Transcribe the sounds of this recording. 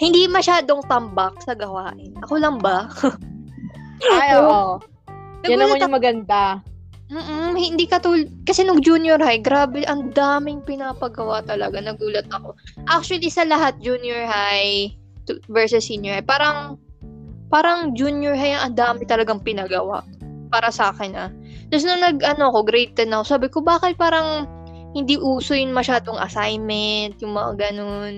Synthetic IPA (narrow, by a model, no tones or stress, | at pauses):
hɪnd̪imɐʃaːd̪o̞ŋt̪ɐmbɐk̚sɐɡɐwaːʔɪnʔɐko̞lɐŋbɐ | joo | nɐɡanulmɐɲmɐɡɐnd̪a | m̩ːʔ̩hɪnd̪ikɐt̪uːlkɐsɛnʊŋd͡ʒunjoɹhajɡɾaːbɛʔɐnd̪aːmɪŋpɪnapɐɡɐwat̪ɐlɐɡanɐɡuːlɐt̪̚ɐko̞ʔak̚t͡ʃʊɐlisɐlɐɦat̪̚d͡ʒunjɔɹhaj | t̪vɛɹsɛsinjɔɹhajpaːɾɐŋ | paːɾɐŋd͡ʒunjʊɹɦajɐŋʔɐnd̪aːmɪt̪ɐlɐɡaŋpɪnɐɡɐwa̰ʔpaːɾɐsɐaːkɛnɐ | t̪ɐs̬nʊŋnɐɡʔɐno̞ɐko̞ɡɾɛjt̪̚ːɛnɐkosaːbɪkobaːkɪt̪̚paːɾɐŋ | hɪnd̪iːʔuːsojʊŋmɐʃaːd̪oŋɐ̰sajmɛnt̪jʊŋmɐŋa̰ɡɐno̞n